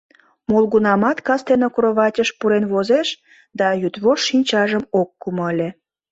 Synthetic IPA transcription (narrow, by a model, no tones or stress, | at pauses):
molɣunɑmɑt̪kɑst̪enokuɾoβɑtʲəʃpuɾenβozeʃ | d̪ɑjyt̪βoʃːinʲt͡ɕɑʒəmokːumoəlʲe